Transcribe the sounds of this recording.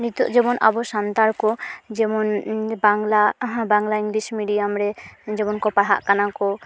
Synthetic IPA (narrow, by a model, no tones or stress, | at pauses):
nit̪ɔ̰ʔd͡ʒɛbɔnʔa̰bɔʃant̪aɾkɔd͡ʒɛmɔnbaŋlabaŋlaiŋɡlismiɖijamɾɛd͡ʒɛbɔnkɔpaɦa̰ʔkanakɔ